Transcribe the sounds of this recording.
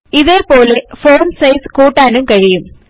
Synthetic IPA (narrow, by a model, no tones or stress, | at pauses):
iðeːpoːlefoːrmsɐɪskuːʈːaːnɯmkɐɻɪjɯm